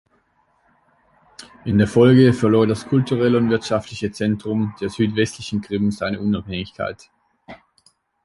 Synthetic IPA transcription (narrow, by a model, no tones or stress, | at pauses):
ʔɪndeːɐfɔlɡəfɛɐloːdaskʰʊltuʁɛləʊntvɪɐtʃaftlɪçət͡sɛntʁ̥ʊmd̥eːɐzyːtv̥ɛstlɪçn̩ɡʁ̥ɪmmzaɪnəʔʊnaphɛŋɪçkʰa̰ɪt